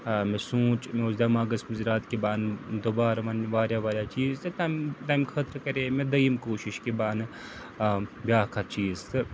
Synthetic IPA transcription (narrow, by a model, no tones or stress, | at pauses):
mẽsũːt͡ʃmeozd̪amaːɡɐsmɐziɾaːt̪kebaːnd̪obaːɾaʋɐnʋaːɾjaʋaːɾjat͡ʃiːzt̪et̪aːmt̪aːjmxʰɐt̪ɾkɐɾeːmẽd̪ɐimkoːʃɪʃkebaːn | bʲjaːɦkʰat͡ʃiːzt̪